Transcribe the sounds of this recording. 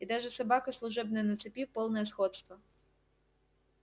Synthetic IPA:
id̪ɑʒɛsɐbɑkɐslˠʊʒɛbnɪnɐt̪sɪpʲiwpɔlˠnɛɛsxɔt̪st̪ʋɐ

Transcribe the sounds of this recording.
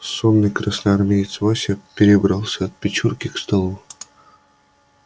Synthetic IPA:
sonːɨjkɾasnɐarmʲejit̪svasʲapʲɪɾʲɪbɾɑlˠsʲaɐt̪̚pʲɪt͡ɕurkʲɪkst̪alˠu

